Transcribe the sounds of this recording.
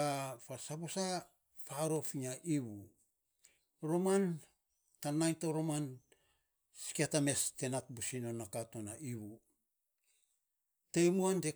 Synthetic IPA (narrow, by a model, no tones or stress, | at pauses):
afasabosa | faɾo̞fiɲaʔiβu | ɾo̞man | tanajntoɾoman | si̥kiatame̞ste̞nat̚busino̞nːakato̞naʔiβu | tejmuande